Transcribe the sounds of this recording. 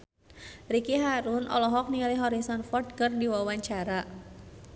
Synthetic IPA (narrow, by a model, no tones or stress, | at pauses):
rikiɦaɾʊnʔɔ̰lɔɦɔk̚nilɪɦɔɾisɔnfɔrd̚kərdiwawaɲt͡ʃaɾa